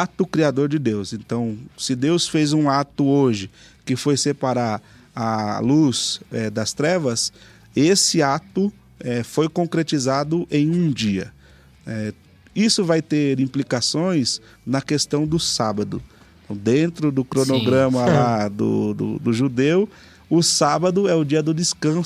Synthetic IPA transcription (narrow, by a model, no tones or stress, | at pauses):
at̪ʊkɾiad̪oɾd͡ʒɪd̪ewsẽnt̪ɐ̃w̃sɪd̪ewsfezũat̪ʊoʒɪ | kɪfojsepaɾaɾ | ɐluz̥ɛd̪ɐst̪ɾɛvɐs | esɪat̪ʊ | ɛfojkõkɾet͡ʃizad̪ʊʔẽj̃ũd͡ʒiɐ̰ | ɛ | isʊvajt̪eɾĩplikasõj̃s | nɐkest̪ɐ̃w̃d̪ʊsabɐd̪ʊ̰ | d̪ẽnt̪ɾʊd̪ʊkɾonoɡɾɐ̃mɐlad̪ʊ̰d̪ʊ̰d̪ʊʒud̪ew | ʊsabɐd̪ʊɛʊd͡ʒiɐd̪ʊd̪ɪskɐ̃s